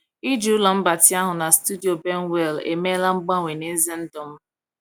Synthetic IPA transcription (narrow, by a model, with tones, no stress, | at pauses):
i˦d͡ʒu˨˦ʊ˦lɔ˨m̩˦ba˨tɪ˦a˦ɦʊ˨na˨stu˦di˨o˨be˦n˦we˦˨lḛ˨me˦la˦ŋ͡m̩˦ɡ͡ba˦ŋʷe˨ne˦zɪ˦n̩˦dɔ˨m̩˦